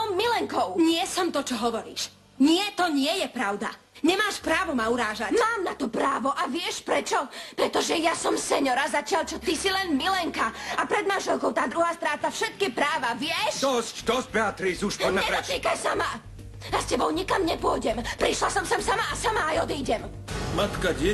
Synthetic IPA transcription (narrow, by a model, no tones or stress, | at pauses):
milɛŋkɔʊɲɪɛsɔmt̪ɔt͡ʃɔɦɔʋɔɾḭːʃ | ɲɪɛt̪ɔɲɪɛjɛpɾaʊd̪a̰ | ɲɛmaːʃpɾaːʋɔmauɾaːʒamaːmnat̪ɔpɾaːʋɔʔaʋɪɛʃpɾɛt͡ʃɔpɾɛt̪ɔʒɛjasɔmsɛɲɔɾazacɪalt͡ʃɔt̪isilɛnmilɛŋkaapɾɛd̪mãnʒɛlˠkɔʊt̪aːd̪ɾuɦaːst̪ɾaːt̪afʃɛt̪̚kipɾaːʋaʋɪɛʃd̪ɔscd̪ɔzbɛat̪ɾisuʃpɔɲɲɛɾd̪ɔt̪iːkaʃsama | jascɛbɔʊɲikamɲɛpʊɔjɟɛmpɾiʃlasɔmsamsamaːsamaːjɔd̪iːɟɛm | mat̪kaɟɪɛ